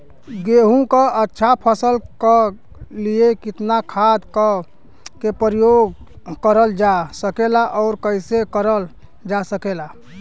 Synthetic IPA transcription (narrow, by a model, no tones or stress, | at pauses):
ɡeɦũkəətːʃʰapʰəsəlkə | liekit̪nakʰad̪kə | kepɾəjoɡ | kəɾəld͡ʒasəkelaʔɔʊɾkəɪsekəɾəl | d͡ʒasəkela